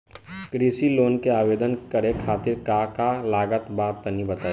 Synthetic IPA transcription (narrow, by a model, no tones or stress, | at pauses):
kɾiːsiloːnkeaːʋeːd̪ənkəɾekʰaːt̪ɪɾkaːkalaːɡət̪baːt̪ːənibət̪aː